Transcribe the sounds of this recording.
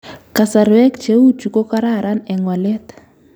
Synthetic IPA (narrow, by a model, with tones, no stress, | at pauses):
ka˨sa˨ɾwɛ˦kt͡ʃe˦u˦ti˨kɔ˦ka˦ɾa˦˨ɾa˦nɛ˨ŋwa˨lɛ˦t̪ḁ